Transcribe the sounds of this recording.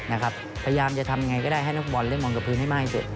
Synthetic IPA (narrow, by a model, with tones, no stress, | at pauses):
na˦˥kʰp̚ʰa˧ja˧jaː˧mt͡ɕa˨˩t̪ʰa˧mja˧ŋa˧jkɔ˥˩daː˥˩jɦa˥˩jna˦˥k̚bɔː˧˩nlɯ˥˩ŋmɔː˧ŋka˨˩pʰɯː˦˥nha˥˩jmaː˥˩i˥˩sṵ˨t̪̚